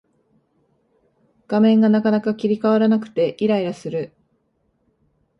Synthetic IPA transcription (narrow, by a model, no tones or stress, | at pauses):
ɡ̥amẽ̞ŋɡanakanakakʲiɾʲikaβaɾanakɯ̟̥t̪e̞ʔiɾaiɾasɨɾɯ̟